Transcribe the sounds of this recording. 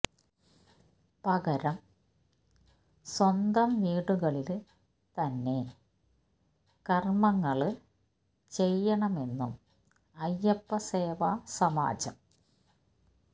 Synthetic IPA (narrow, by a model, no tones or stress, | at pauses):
pɐɣɐɾɐm | swɐnd̪ɐmʋiːɽuɣɐɭil | t̪ɐnːe̞ | kɐrmɐŋːɐɭ | t͡ɕe̞jːɐɳɐme̞nːum | ɐjːɐpːɐseːʋasɐma̰ːd͡ʑɐm